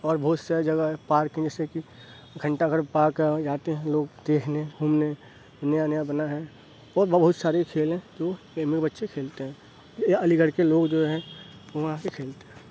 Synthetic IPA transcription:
ɔːɾbɔːʊt̪saːɾid͡ʒəɡəɦɛpaːɾkɦɛ̃d͡ʒɛːseki | ɡʱə̃ɳʈakəɾpaːkd͡ʒaːt̪eɦɛ̃loːɡd̪̥eːkʰnebʱuːmne | njanəjabənaɦɛ | ɔːɾbəbəɦʊt̪saːɾekʰeːlɦɛ̃d͡ʒoː | eːmɪkbətːʃekʰeːlt̪eɦɛ̃ː | əliɡəɽkeloːɡd͡ʒoːɦɛ̃ | ʋoʋɐɦãkekʰeːlt̪eɦɛ̃ː

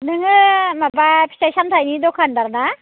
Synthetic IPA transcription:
nɯŋɯmabapʰi̥tajsamt̪ʰajnid̪ɔkʰandaɾna

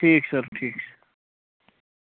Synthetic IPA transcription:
ʈʰiːksɐɾʈʰiːksɐ̥ɾ

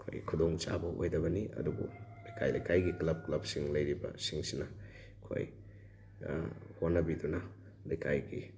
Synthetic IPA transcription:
kʰo̰jkʰudoŋt͡ʃa̰bɐʔojdɐbɐniɐ̰dubṵlajkʰajlɐjkʰajɡiklɐb̚klɐb̚siŋlɐjɾibɐ̰siŋsinɐ | kʰo̰j | honːɐbidunɐ | lajkʰajɡi

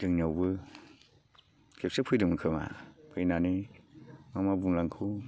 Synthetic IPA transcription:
dɯŋnawbɯ | kʰep̚sepʰɯjdɯmɯkʰɯma̰pʰɯjnani | mamabuŋlaŋkʰɯ

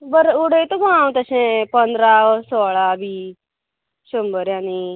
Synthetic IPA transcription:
bəɾuɽət̪uɡãw̃t̪əsẽpənd̪ɾasɔːɭabʱiː | ɕumbəɾjani

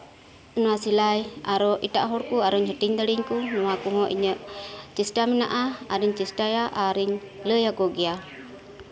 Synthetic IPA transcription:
ənuasilajaɾɔʔit̪aʔɦɔɾkuaɾɔɲhəʈiɲd̪əliɲkunuwakuɦɔʔḭɲəʔt͡ʃisʈamina̰ʔaaɾiɲt͡ʃisʈajaʔaɾiɲ | ləjakoɡia

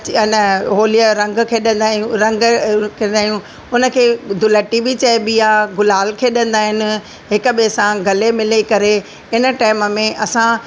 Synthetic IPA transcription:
nəɦoːlijəɾɐ̃ŋɡkʰeːɗɐ̃nd̪aːjũɾɐ̃ŋɡkʰeɗaːjũ | ʊnə̆kʰeːd̪ʊləʈibit͡ɕɐebijaɡʊlaːlkʰeɗɐ̃nd̪aːɦɪnɪ̆ | ɦɪkə̆ɓesãɡʱɐlemɪlekɐɾe | ɪnə̆ʈaːɪmə̆mẽʔɐsã

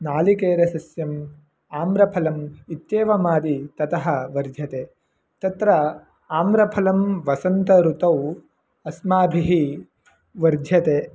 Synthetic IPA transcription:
naːlikeːɾɐsɐsjɐm | aːmɾɐpʰɐlɐmit̪jeːʋɐmaːd̪it̪ɐt̪ɐɦɐ̆ʋɐɾd̪ʱjɐt̪eː | t̪ɐt̪ɾɐ | aːmɾɐpʰɐlɐmʋɐsɐnt̪ɐɾut̪ɐw | ɐsmaːbʱiɦi | ʋɐɾd̪ʱjɐt̪eː

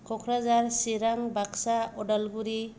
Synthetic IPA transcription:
kʰɔkʰɾazaɾsiɾaŋbaksaɔdalɡuɾi

